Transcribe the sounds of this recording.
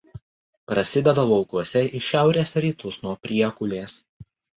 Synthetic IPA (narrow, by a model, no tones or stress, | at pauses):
pɾɐsʲɪd̪ʲɛd̪ɐʋʊkuɔsʲɛʔiʃʲæˑʊɾʲeːsɾʲiːt̪ʰʊsnuɔpʲɾʲiɛkʊlʲeːs